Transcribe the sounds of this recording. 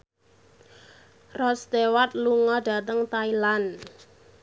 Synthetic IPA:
rɔst̪ewat̪̚luŋɔɖ̥a̤t̪əŋt̪ailan

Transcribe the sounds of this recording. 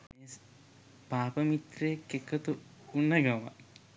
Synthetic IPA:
meːs | paːpəmit̪ɾekekːət̪u | unːɐɡɐʋa̰

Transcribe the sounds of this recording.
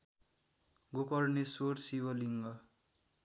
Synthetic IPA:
ɡokʌrnesoɾsiβʌliŋɡʌ

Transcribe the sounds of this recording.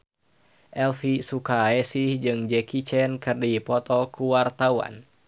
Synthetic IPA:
ʔɛlfisukaɛsihd͡ʒɨŋd͡ʒɛkit͡ʃɛnkɨrdipɔt̪ɔkuwart̪awa̰n

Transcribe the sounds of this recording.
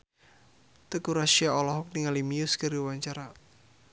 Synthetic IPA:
t̪əkuɾaʃiaɔlɔɦɔk̚niŋalimiuskaɾiwaɲt͡ʃaɾa

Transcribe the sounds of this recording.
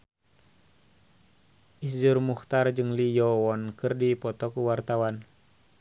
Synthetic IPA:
ʔisd͡ʒurmuht̪ard͡ʒɨŋlijɔwɔnkɨrdipɔt̪ɔkuwart̪awan

